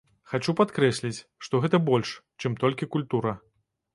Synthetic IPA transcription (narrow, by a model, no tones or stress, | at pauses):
xat͡ʂupat̪kɾɛsʲlʲit͡sʲʂt̪ɔɣɛt̪ɐbɔlʲʂt͡ʂɨmt̪ɔlʲkʲikulʲt̪uɾɐ